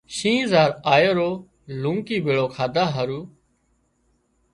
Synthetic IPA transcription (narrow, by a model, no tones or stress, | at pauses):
ʃĩːzaːɾaːjəɾoː | lũːŋkiːbʱɪɭoːkʰaːd̪ʱaːɦəɾuː